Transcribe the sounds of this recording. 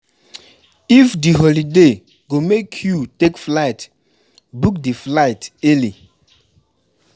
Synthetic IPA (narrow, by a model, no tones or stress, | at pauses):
ifdiɦolide | ɡomekʰjutekflaɪt | buk̚diflaɪtɛli